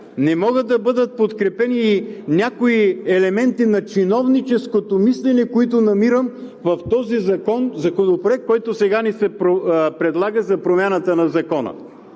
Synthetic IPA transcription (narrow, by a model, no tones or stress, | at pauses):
nɛmɔɡəːɐbɤd̪ət̪̚pot̪kɾɛpɛniːnʲakoiɛlɛmɛnt̪inɐt͡ʃinɔvnit͡ʃɛskot̪omislɛnɛkoit̪onɐmiɾəm | vɐft̪ɔzizɐkɔnzɐkonopɾoɛk̚kːɔjt̪osɛɡanisɛpɾopɾɛd̪lˠaɡəzɐpɾomʲjanət̪ənɐzɐkɔnə̰